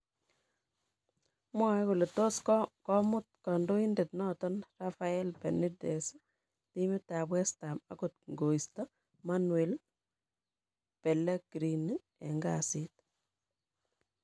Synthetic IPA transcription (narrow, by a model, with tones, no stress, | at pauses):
mwa˦ɛku˨lɔ˨to˦skkɔ˦mʊ˦t̚kɔ˨ndo˦i˦nde˨tnɔ˦tɔ˦nra˦fa˦ɛ˦lpɛ˨ni˦de˨s | ti˦mi˦ta˨pwɛ˦sta˨ma̰˨kot̚ŋɡo˨i˨stɔ˦ | manwe˨l | pɛ˨le˦ɡ̥ɾi˨n | ḛ˨ŋɡasɪ˦t